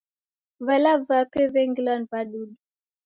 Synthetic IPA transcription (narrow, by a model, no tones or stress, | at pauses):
valavapɛvɛŋɡilɔnpaɗuɗu